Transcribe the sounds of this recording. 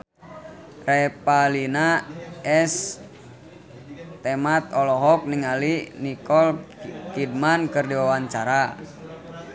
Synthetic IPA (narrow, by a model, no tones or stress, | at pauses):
rɛpalinaɛs | t̪ɛmat̪̚ɔlɔɦɔk̚niŋalinikɔlkid̚mankɨrdiwawaɲt͡ʃaɾa